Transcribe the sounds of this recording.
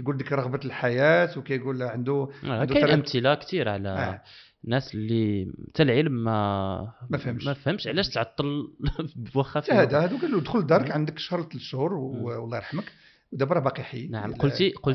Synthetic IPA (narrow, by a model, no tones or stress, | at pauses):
jɡuld̪ikɾˤɑɣbəlħajæt̪wkæjɡulʕənd̪uææjʔəmt̪əlækt̪iɾʕlæ | nːæslːit̪ælʕəlmːæ | mæfhəmʃmæfhəmʃʕlæʃt̪ʕɑt̪ˤːəl | wæxæfhæd̪æhæd̪ukælud̪xʊld̪ɑɾˤəkʕənd̪əkʃɑɾˤlt̪ʃːuɾˤwlˤːɑɾˤɑħmək | wd̪æbɾˤɑbɑqiħḭnaʕəmolt̪iqolt